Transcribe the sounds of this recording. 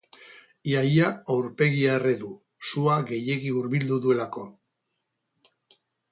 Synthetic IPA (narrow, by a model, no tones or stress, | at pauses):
jajaawɾpe̞ɣiaereðu | suaɣe̞je̞ɣiuɾβild̪uðue̞lako̞